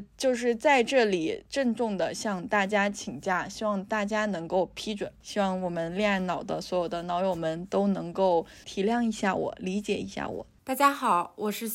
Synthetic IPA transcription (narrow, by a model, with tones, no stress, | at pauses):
t͡ɕjo˥˧ʊʂ̬ɻ̩˥˧t͡sa˥˧ɪʈ͡ʂɤ˥˩li˨˩ʈ͡ʂə˥˧ŋʈ͡ʂʊ˥˩ŋd̪ə˩ɕjɑ˥˧ŋt̪a˥˩t͡ɕja˥t͡ɕʰi˨˩ŋt͡ɕja˥˩ɕi˥wɑ˥˧ŋt̪a˥˩t͡ɕja˥nɤ˧˥ŋko˥˩ʊpʰi˥ʈ͡ʂwə˨˩˦nɕi˥wɑ˥˩ŋwɔ˨˩mə˦nljɛ˥˩˧nɑ˨˩ʊd̪ə˦swɔ˧˥jo˨˩ʊd̪ə˦nɑ˧˥ʊjo˨˩ʊmə˧˥nt̪o˥ʊnɤ˧˥ŋko˥˩ʊ | t̪ʰi˧˥ljɑ˥˩ŋi˧˥ɕja̰˥˩wɔ̰˨˩˦li˧˥t͡ɕjɛ˨˩ḭ˧˥ɕja̰˥˩wɔ̰˨˩˦t̪a˥˩t͡ɕja˥xɑ˨˩˦ʊwɔ˨˩ʂɻ̩˥˧